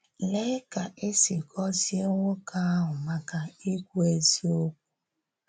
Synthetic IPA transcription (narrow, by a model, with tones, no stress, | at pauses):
le˦ka˨ʔe˦si˨kʰɔ˦zi˦e˦ŋʷo˦ka˦a˦ɦʊ˨ma˦ka˨i˦kʷu˦e˦zi˦o˦k̚ʷu̥˦